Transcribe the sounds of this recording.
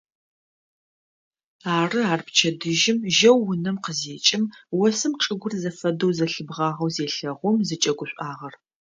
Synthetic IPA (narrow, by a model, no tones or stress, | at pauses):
aːrɨaːrpt͡ʃʰɐdɨʒɪmʒɐwːʊnɐmqəzeːt͡ʃʼɪmwɔsɨmʈ͡ʂʼɨɡʷʊrzɐfɐdowzɐɬɨbʁɑːʁɐwzeːɬɐʁʷʊmzɨt͡ʃʼɐɡʷʊɕʷʼʔaːʁɐr